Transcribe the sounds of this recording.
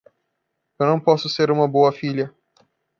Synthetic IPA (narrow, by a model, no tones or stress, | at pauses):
ewnɐ̃w̃pɔsʊseɾũmɐboɐfilʲɐ